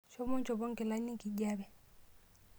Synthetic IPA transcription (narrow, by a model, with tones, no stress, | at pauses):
ʃɔ˦mɔ˦nt͡ʃɔ˨bɔ˦ŋkɛ˨la˦ni˦ki˨ɟa˦bɛ˨